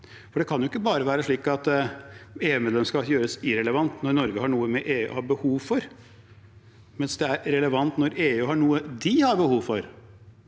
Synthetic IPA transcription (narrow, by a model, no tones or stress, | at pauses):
fɔɖɛkʰɑnjʊɪkːəbɑːɾəʋæːɾəʂɭiːkɑt̪ | eːʉːmeːd̪lɛmskɑjøːɾəsɪɾɛləʋɑnt̪nɔɾnɔɾɡəhɑɳuːəmɛʔeːʉ̰ːhɑɾbəhuːʋfɔɾ | mɛnsd̪ɛæɾɾɛləʋɑnt̪nɔɾeːʉːɦɑɳuːəd̪ɪhɑɾbəhuːʋfɔɾ